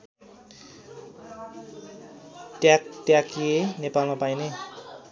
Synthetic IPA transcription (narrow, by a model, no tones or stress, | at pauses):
t̪jak̚t̪jakienepalmapajne